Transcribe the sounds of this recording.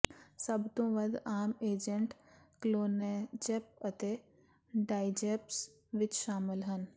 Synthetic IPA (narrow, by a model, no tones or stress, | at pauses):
sɐbt̪õʋɐd̪aːmeːd͡ʒəɳʈkloːned͡ʒeːp̚ət̪e | ɖaːɪd͡ʒeːps | ʋɪt͡ʃʃaːmɪlɦən